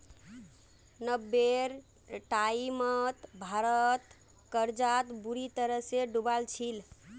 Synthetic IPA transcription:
nəbːeɾ | ʈaimət̪bʱaɾət̪ | kəɾd͡ʒat̪buɾit̪əɾəɦseɖubalt͡ʃʰil

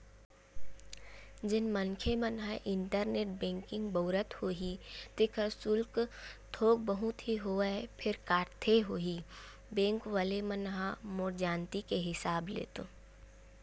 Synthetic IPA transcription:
d͡ʒɪnmənkʰemənɦaʔɪɳʈəɾneːʈ̚bẽːŋkɪ̃ŋɡboːɾət̪hoːɦit̪ɪkʰəɾsʊlkt̪ʰoːk̚bəɦʊ̃t̪ʰiɦoːəpʰɪɾkaːʈt̪ʰeɦoːɦi | bẽːŋkʋaːlemənɦamoːɾd͡ʒaːnt̪ikeɦɪsaːblḛːt̪o

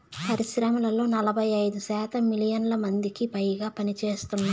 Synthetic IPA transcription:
pɐɾiʃɾɐmɐlɐlo̞ːnɐlɐbʱɐjɐjd̪uʃaːt̪ɐmːilijɐnlɐmɐnd̪ikipɐjɡaːpɐnit͡ʃeːst̪unːa

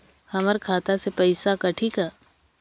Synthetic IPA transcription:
hɐməɾkʰaːt̪asepɐɪsakɐʈʰikaː

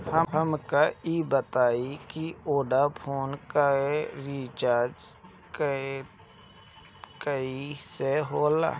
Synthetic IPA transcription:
həɦəmkaiːbət̪aːikioːɖapʰoːnkaeɾiːt͡ʃaːɾd͡ʒ | k | kəiseɦoːla̰ː

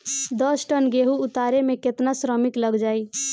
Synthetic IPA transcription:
d̪əsʈənɡeɦuːt̪aɾemeket̪nasɾəmikləɡd͡ʒai

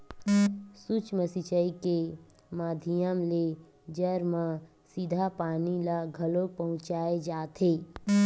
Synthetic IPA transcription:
sut͡ʃməsit͡ʃəike | maːd̪ʱijəmle | d͡ʒəɾmã | sid̪ʱapaːnilaɡʱɐlopəɦʊ̃t͡ʃaːed͡ʒaːt̪ʰeː

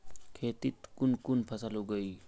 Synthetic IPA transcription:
kʰeːt̪it̪kunkunpʰɐsaluɡəi

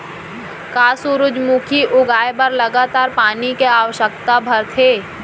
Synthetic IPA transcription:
kaːsuɾʊd͡ʒmuːkʰiʔʊɡaːebəɾlɐɡaːt̪aːɾpaːnikeaːʋəʃək̚t̪abʱɐɾt̪ʰeː

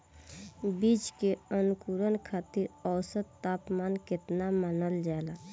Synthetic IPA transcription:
bit͡ʃkeənukuɾənkʰaːt̪iɾəwsəd̪ːapmaːnkɪt̪namaːnəld͡ʒala

